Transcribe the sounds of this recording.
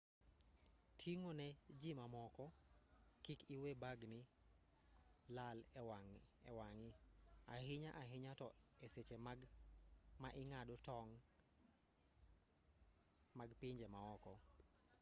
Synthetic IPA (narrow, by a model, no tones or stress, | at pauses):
tʰiŋonɛd͡ʒimamɔkɔ | kikɪwebaɡnɪ | lalɛwaŋɛwaŋɪaɦɪɲaʔaɦɪɲatɔeset͡ʃem | maʔɪŋadotɔŋ | maɡpɪɲd͡ʒɛmaɔkɔ